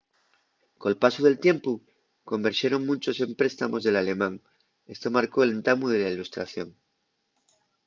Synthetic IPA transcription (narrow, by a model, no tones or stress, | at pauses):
ko̞lpasuðe̞lt̪je̞mpu | ko̞mbeɾʃjeɾo̞ŋmũnt͡ʃo̞se̞mpɾe̞st̪amo̞zðe̞lale̞mãŋ | e̞st̪o̞maɾko̞elent̪amuð̞e̞lailust̪ɾa̰θjo̞ŋ